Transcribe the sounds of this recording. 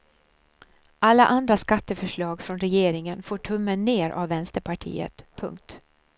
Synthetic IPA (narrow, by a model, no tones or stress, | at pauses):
ʔalːa̰ʔand̪ɾaskat̪ːəfœʂɭɑːɡfɾɔnɾɛjeːɾɪŋənfoːʈʰɵmːənːeːɾʔa̰vːɛnst̪əɾpʰaʈʰḭːə̰t̪pʰɵ̰ŋk̚t̪